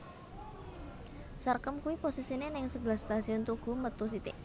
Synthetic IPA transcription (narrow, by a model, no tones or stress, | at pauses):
sarkəmkuwiposisinenɪŋsəb̥lahst̪asiɔnt̪uɡ̥ṳmət̪us̬it̪ɪʔ